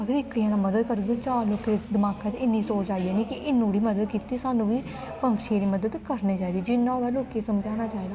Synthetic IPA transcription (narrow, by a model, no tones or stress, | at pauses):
əɡəɾɪkːəãːnãːməd̪əd̪̚kəɾɡeːt͡ʃaːloːked̪ɪmaːkãːt͡ʃɪnːiːsoːt͡ʃt͡ʃaːiɛːniːkɪʔɪnːũːɽiːməd̪əd̪̚kiːt̪iːsaːnːũːʋiː | pəŋkʃeɾiːməd̪əd̪kəɾniːt͡ʃaːid̪iːd͡ʒɪnːãːʋɛːloːkesəmd͡ʒaːnaːt͡ʃaːed̪aː